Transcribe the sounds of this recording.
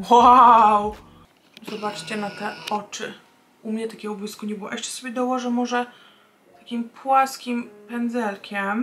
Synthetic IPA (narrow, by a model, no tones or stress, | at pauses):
waw | zɔbat͡ʂt͡ɕɛnat̪ɛɔt͡ʂɘ | umɲɛt̪akʲɛɡɔbɔiskuɲɛbɨwɔ̰ʔɛʂt͡ʂɛ̥sɔbʲjɛd̪ɔwɔʐɛmɔʐɛ | t̪akʲimpwaskʲimpɛnd̪zɛlkʲɛm